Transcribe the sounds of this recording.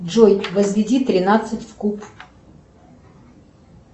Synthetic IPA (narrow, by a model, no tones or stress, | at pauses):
ʐojt̪vəzvʲɪdʲit̪ɾʲɪnat̪sɨtʲfkup